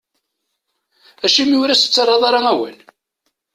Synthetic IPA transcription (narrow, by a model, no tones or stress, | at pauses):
æʃimjʊɾæsə̥t͡sːɑrˤːɑðˤɑɾˤɑæwæ̰l